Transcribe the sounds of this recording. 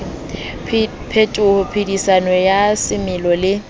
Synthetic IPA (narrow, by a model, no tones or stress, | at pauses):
pʰetʼʊhʊpʰidisanɔjasɪmɪlɔlɪ